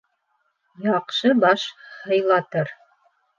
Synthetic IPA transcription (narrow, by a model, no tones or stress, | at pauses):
jɑqʃɤbɑʃhɤ̆jlˠɑt̪ɤɾ